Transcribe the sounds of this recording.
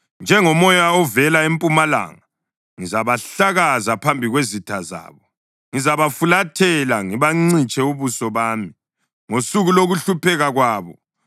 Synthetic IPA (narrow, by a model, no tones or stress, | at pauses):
nd͡ʒʱɛŋɔmɔjaɔvɛlaempʼumala̰ːŋa | ŋizaβaɬaɣazapʰambʱiɣwezitʰaza̰ːβɔ | ŋizaβafulatʰɛlaŋiβaŋ͡ǀit͡ʃʼɛuβusɔβaːmi | ŋosuɣuloɣuɬupɛɣaɣwaːβɔ